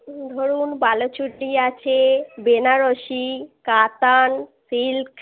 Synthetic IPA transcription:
d̪ʱoɾunbalot͡ɕʰuʈːiat͡ɕʰebenaɾoʃikat̪ansilk

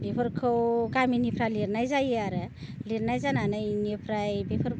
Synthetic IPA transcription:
bʱepʰəɾkʰowkaminipʰɾaliɾnajd͡ʒajaɾ | liɾnajd͡ʒananajnipʰɾajbepʰəɾ

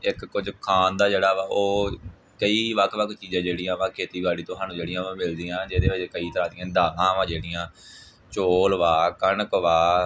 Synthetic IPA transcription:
ɪkːʊd͡ʒkʰaːnd̪aːd͡ʒeːɽaːʋaːoː | kəiːʋəkʰʋəkʰt͡ʃiːzãːd͡ʒeːɽĩjãːʋãːkʰeːt̪iːbaːɽiːt̪ʊɦaːnũːd͡ʒeːɽɪjãːãːmɪld̪iːãːd͡ʒeːd̪eːʋəd͡ʒekəiːt̪əɾaːd̪ɪjãːd̪aːlãːəʋãːd͡ʒeːɽɪ̃jãː | t͡ʃoːlʋaːkənkʋaː

